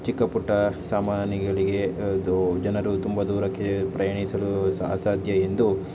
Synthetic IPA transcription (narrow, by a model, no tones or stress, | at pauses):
t͡ʃikːɐpuʈːɐsaːmaːnɐɡɐɭiɡe̞ud͡ʒɐnɐɾut̪umbɐd̪uːɾɐkːepɾɐjɐɳisɐlua̰ːsaːd̪ʱjɐend̪u